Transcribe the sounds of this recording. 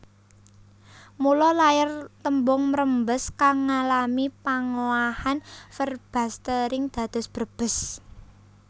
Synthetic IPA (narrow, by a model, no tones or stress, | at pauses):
mulɔlajɪrt̪əmbʊŋməɾəmbəskaŋːalamipaŋoahanfərb̥ä̤st̪əɾɪŋd̪̥a̤d̪̥ʊ̤sb̥ərb̥ə̤s